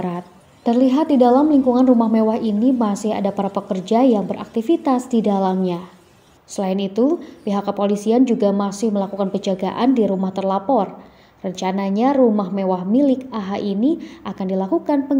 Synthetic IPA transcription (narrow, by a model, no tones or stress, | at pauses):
ɾat̪̚ː | ərliɦat̪̚didalamliŋkuŋanrumahmewaɦinimasɪɦa̰dapaɾapəkərd͡ʒajaŋbəɾa̰k̚t̪ifit̪asdidalamɲa | səlaɪnit̪upiɦakːəpolisiand͡ʒuɡamasɪhməlakukanpəd͡ʒaɡa̰ʔandiɾumaht̪ərlapɔr | rəɲt͡ʃanaɲarumahmewahmilɪkaɦaʔiniʔakandilakukanpəŋ